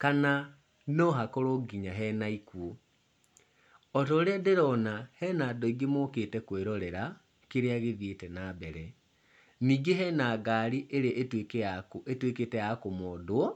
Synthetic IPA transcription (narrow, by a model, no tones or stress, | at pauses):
kana | nɔɦakoɾoɡiɲaɦɛnaikwo | ɔtɔɾɛdeɾɔnahɛnaːdɔiɡemokeːtɛkweɾɔɾɛɾa | keɾeaɣeðjetɛnabɛɾɛ | niːɡeɦɛnaːɡaːɾiʔeɾeʔetwekjakoetweketɛjakomɔdwɔ